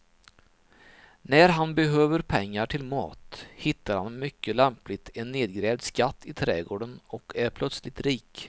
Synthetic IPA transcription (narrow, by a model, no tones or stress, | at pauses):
næɾɦanbɛɦøːvəɾpʰɛŋːaʈʰɪlmɑ̰ːt̪hɪt̪ːaɾha̰nmʏkːəlɛmplɪt̪ɛnːeːd̪̚ɡɾɛːvd̪skat̪ʰːɪt̪ʰɾɛːɡoːɖənɔkæɾpʰlœt̪slɪt̪ɾiːk